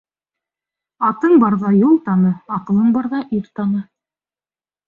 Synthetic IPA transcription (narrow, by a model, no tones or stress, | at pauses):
ɑt̪ɤɴbɑɾðɑjulˠt̪ɑnɤɑqɤ̆lˠɤɴbɑɾðɑʔiɾt̪ɑnɤ